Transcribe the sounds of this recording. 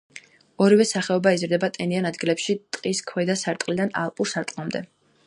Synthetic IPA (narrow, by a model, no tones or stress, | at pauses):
ɔɾivɛsaχɛɔbaizɾd̪ɛbat̪ʼɛnianad̪ɡilɛpʃit̪ʼqʼiskʰwɛd̪asaɾt̪ʼqʼlid̪ana̰lˠpʼuɾsaɾt̪ʼqʼlˠamd̪ɛ̰